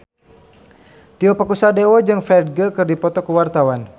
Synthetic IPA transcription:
t̪iopakusadewɔd͡ʒɨŋfɛd̚ɡəkərdipɔt̪ɔkəwart̪awan

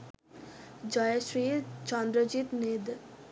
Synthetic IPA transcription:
d͡ʒɔːjʃɾiːt͡ʃãːnd̪ɾəd͡ʒiːt̪neːd̪

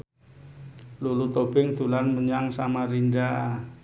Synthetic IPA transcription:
lulut̪ob̥ɪŋd̪̥ulanməɲaŋsamaɾinda

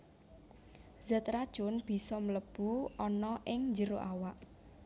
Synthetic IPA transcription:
z̥ət̪ɾad̥ʒ̥ʊ̤nb̥i̤sɔmləb̥uɔnɔʔɪŋnd͡ʒəɾoʔawaʔ

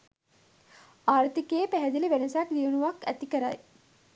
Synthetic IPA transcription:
aːɾt̪ikeːpæɦɛd̪iliʋenəsaʈd̪iʋunuʋakæ̰t̪ikəɾa̰j

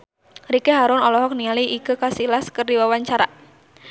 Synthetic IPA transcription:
ɾikeɦaɾʊnɔlɔɦɔk̚nialiʔːkəkasilaskərdiwawaɲt͡ʃaɾa

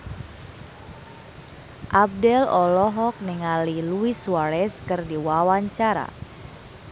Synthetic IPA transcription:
ʔab̚dɛlɔlɔɦɔk̚niŋaliluiswaɾɛskɨrdiwawaɲt͡ʃaɾa̰

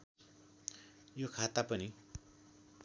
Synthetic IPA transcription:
jokʰat̪apʌni

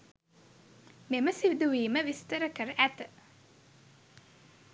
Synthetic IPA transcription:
meməsiʋid̪uʋiːməʋist̪əɾəkəɾəʔæt̪ə̥

